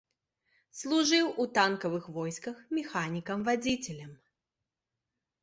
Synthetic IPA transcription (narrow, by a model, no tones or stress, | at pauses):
slˠuʐɨwʔut̪ankɐvɨxvɔjskɐxmʲɛxanʲikɐmvad͡zʲit͡sʲɛlʲɐm